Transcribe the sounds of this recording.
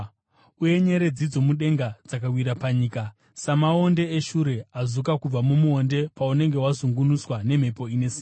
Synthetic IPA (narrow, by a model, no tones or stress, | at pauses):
uje̞ɲe̞ɾe̞d͡zid͡zo̞muɗe̞ŋɡad͡zakawiɾapaɲiːka | samao̞nde̞ːʃuɾe̞azukakub͡vamumuonde̞paune̞ŋɡe̞wazuŋɡunuswane̞m̤e̞po̞ine̞siːa